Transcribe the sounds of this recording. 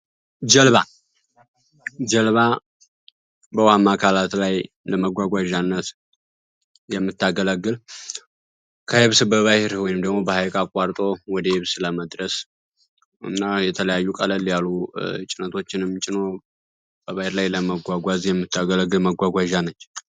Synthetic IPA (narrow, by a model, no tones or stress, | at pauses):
d͡ʒəlβa | d͡ʒəlβa | bəwamːakʰalat̪laj | ləməɡʷaɡʷaʒanːət̪ | jɛmːɨt̪ːaɡələɡːɨl | kʰəhɪβsbəβahɪɾwɔjnɨmd̪əɡmo̞bəhajkʼakʼaɾt̪ʼo̞wɔd̪əhɪβsləməd̪ɾəs | ɨ̰nːajɛt̪ʰələjajːukʼələljalut͡ʃʼɪnət̪ʰo̞t͡ʃːɪnɨmt͡ʃʼɪno̞ | b̥əβahɪɾlajləməɡʷaɡʷazjɛmːɨt̪ːaɡələɡːɨlməɡʷaɡʷaʒanət͡ʃː